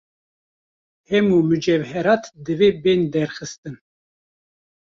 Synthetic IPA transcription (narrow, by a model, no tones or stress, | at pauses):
hɛmumɨd͡ʒɛvɦɛɾɑːt̪d̪ɨveːbeːnd̪ɛɾxɨst̪ɨn